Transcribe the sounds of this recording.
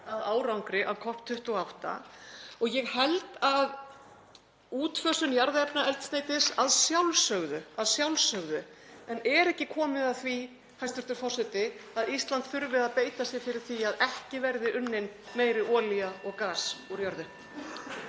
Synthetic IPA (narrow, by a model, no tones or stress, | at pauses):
aðaːwɾawŋkɾɪʔaðkʰɔhpt̪ʰʏht̪ɔɣawht̪a̰ɔɣjɛɣhɛlt̪að | uːt̪fœːsʏnjaɾðɛpnaɛlt̪sneːjt̪ɪsaðsjawlsœɣðʏaðsjawlsœɣðʏ | ɛnɛɾɛhcɪkʰɔːmɪðaθvi | hajst̪ʏɾt̪ʏɾfɔr̥sɛt̪ɪaðist̪lant̪θʏɾvɪðaðpeːjt̪asjɪɣfɪɾɪɾ̥θiaðɛhcɪvɛɾðɪʔʏnːɪn | meːjɾɪʔɔːliaɔɣkaːsuɾjœɾðʏ